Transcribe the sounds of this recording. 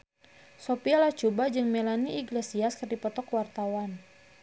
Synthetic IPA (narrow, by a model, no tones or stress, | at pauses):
sopialat͡ʃubad͡ʒɨŋmelaniiɡlesiaskərdipɔt̪ɔkwart̪awan